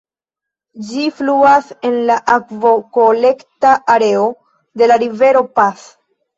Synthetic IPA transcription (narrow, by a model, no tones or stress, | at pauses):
d͡ʒifluase̞nlaʔakvo̞ko̞le̞ktaʔaɾe̞o̞ | de̞laɾive̞ɾo̞pas